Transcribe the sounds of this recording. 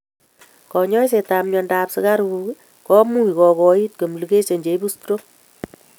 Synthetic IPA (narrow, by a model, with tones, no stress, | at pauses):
kɔ˨ɲɔ˦js̬e˨ta˨mɲɔ˧ndapsɨ˦ka˦ɾu˧ | kɔ˦mu˦i˨kɔ˨kɔ˧i˦t̚ko˨mlu˨ke˦t͡ʃe˨ɲd͡ʒe˨jbu˦stɾo˦